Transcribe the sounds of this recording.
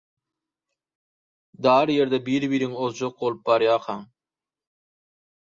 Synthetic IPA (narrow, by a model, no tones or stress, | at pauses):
d̪ɑːɾjeɾd̪æbiɾbiɾiŋozd͡ʒoq̚bolˠup̚bɑɾjɑːqʰɑŋ